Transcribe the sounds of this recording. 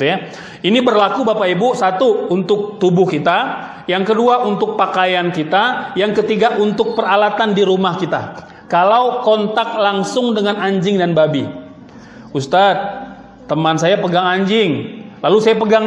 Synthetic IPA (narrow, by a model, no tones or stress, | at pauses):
t̪uja | inibərlakubapaibusat̪uːnt̪ʊk̚t̪ubʊhkit̪a | jaŋkəduaʔunt̪ʊk̚pakajankit̪ajaŋkət̪iɡaʔunt̪ʊk̚pəralat̪andiɾumahkit̪a̰ | kalawkɔnt̪ak̚laŋsʊŋdəŋanaɲd͡ʒɪŋdanbabi | ust̪at̪̚ː | əmansajapəɡaŋaɲd͡ʒɪŋlalusajapəɡaŋ